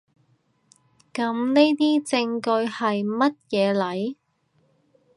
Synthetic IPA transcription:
kɐ˨˥mne˥jt̪iː˥t͡sɪ˧ŋkɵ˧ɥhɐ˨jmɐ˥t̚jɛː˨˧lɐ˨˥j

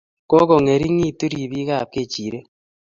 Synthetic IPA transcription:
ko˦ko˨ŋe˨ɾi˦ŋi˦˨tu˦ɾi˨βi˦ɣa˦˨p̚ke˦˨t͡ʃi˨ɾe˦

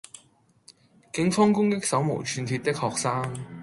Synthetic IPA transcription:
kɪ˨˥ŋfɔː˥ŋkʊ˥ŋkɪ˥k̚sɐ˨˥wmo̰˨˩wt͡ʃʰyː˨˧nt̪ʰiː˧t̪ɪ˥k̚hɔː˨k̚saː˥ŋ

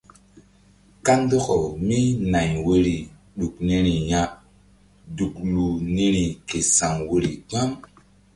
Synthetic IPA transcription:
ka˦ndo˦ko˨mi˦na˨jwo˦ɾi˨ | ɗu˨kne˦ɾi˨ja˦ | du˨klu˨ne˦ɾi˨ke˨sa˨ŋwo˦ɾi˨ɡ͡ba˦m

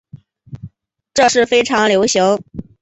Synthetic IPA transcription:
ʈ͡ʂɤ˥˧ʂɻ̩˥˩fe˥ɪʈ͡ʂʰɑ˧˥ŋljo˧˥ʊɕjʊ˧˥ʊ

